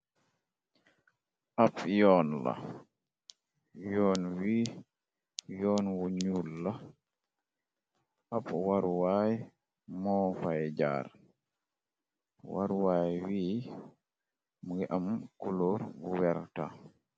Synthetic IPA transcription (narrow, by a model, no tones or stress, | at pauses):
ʔapjɔnla̰ | jɔːnwiː | jɔnwoɲulːa | apwaɾwaj | mɔfajd͡ʒa̰ɾ | wa̰ɾwaːjwiː | mɡɛʔamkulɔɾɡuwɛɾta̰